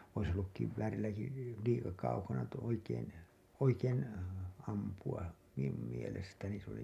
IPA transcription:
ois olːuk kiʋʋæːrilːæki liːkɑ kɑukɑnɑ tu oikeːn oikeːn ɑmpuɑ min̆um mielestæni s oli

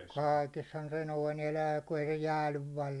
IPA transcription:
kɑikeshɑn se noin elæː ku ei se jæːlyʋ ʋɑːl

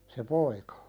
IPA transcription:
se poikɑ

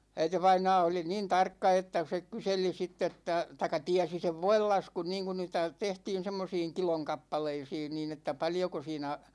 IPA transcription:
æiteʋɑinɑː oli niːn tɑrkːɑ etːæ se kyseli sitː etːæ tɑikːɑ tiæsi seʋ ʋoilːɑskun niːŋkun niːtæ tehtiːn̞ semːosiːŋ kiloŋ kɑpːɑleisiːn niːn etːæ pɑljoko siːnæ

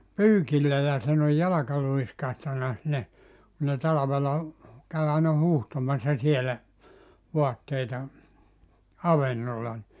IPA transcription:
pyːkilːæ jɑ siːn oj jɑlɑkɑ luiskɑhtɑnɑ sinːe ku ne tɑlɑʋelɑ kæy ɑinɑ huːhtomɑsːɑ sielæ ʋoɑtːeitɑ ɑʋenːolːɑ ni

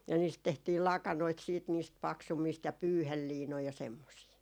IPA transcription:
jɑ niːst tehtiːl lɑkɑnoit siːt niːst pɑksumːiːst jɑ pyːhelːiːnoi jɑ semːosiː

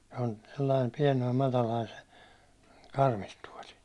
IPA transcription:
se on selːɑim piɛnoim mɑtɑlɑin se kɑrmistuɒli

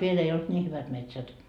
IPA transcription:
ʋiel ei olt nʲiː hyʋæt metsæt

